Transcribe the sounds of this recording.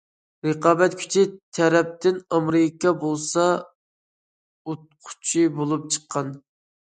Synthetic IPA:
ɾəqɑːbɛt̪kʲʰy̥t͡ʃʰit̪ʰɛɾɛp̚t̪ɪnɑmɾɪkʰɑbolˠsɑ | ot̪̚qʰʊ̥t͡ʃʰibolˠup̚t͡ʃʰə̥qʰːɑn

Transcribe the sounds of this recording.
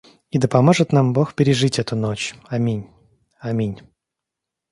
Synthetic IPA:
id̪əpɐmoʐɨt̪nambo̞xpʲɪɾʲɪʐɨtʲɛt̪ʊnot͡ɕɐmʲinʲ | ɐmʲinʲ

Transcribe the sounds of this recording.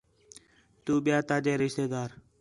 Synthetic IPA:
t̪uːɓɪjaːt̪aːd͡ʒeːɾɪʃt̪eːd̪aːɾ

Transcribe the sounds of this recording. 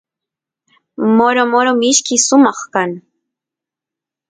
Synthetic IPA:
moɾomoɾomɪʃkɪsʊmɑχkan

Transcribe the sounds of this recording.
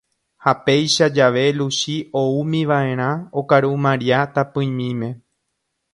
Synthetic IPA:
hape̞jʃad͡ʒaʋe̞luʃioumĩʋaʔe̞ɾ̃ãokaɾumãɾiat̪apɨ̃j̃mĩmẽ̞

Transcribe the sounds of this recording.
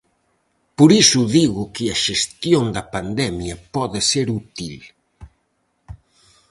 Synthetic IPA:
poɾisʊðiɣʊkɪɐʃest̪joŋd̪ɐpand̪ɛmjɐpɔðɪseɾut̪il

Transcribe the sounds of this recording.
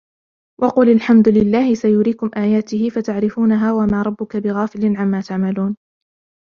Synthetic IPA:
wʔɑqʊːlalħamd̪ʊlɪlːaːhɪsajʊɾiːkʊmʔaːjaːt̪ɪhɪfat̪aʕɾɪfuːnaɦaːwamaːɾˤɑbːʊkabɪɣaːfɪlɪnʕamːaːt̪aʕmaluːn

